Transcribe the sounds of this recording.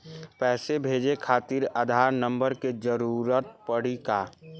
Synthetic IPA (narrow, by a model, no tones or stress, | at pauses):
pɛːsebʱeːd͡ʒekʰaːt̪iɾəd̪ʱaːɾnə̃mbəɾked͡ʒəɾuːɾət̪̚pəɽ̤ika